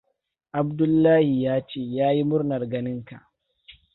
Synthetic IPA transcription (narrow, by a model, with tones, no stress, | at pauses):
ʔa˨b̚dʊ˦lːaː˦hi˨jaː˦t͡ʃeː˦jaː˦ji˦mʊ˦rnɐ˨rɡɐ˦nɪ˦ŋka̰˨ʔ